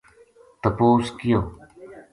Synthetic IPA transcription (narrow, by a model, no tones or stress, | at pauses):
t̪əpoːskɪjoː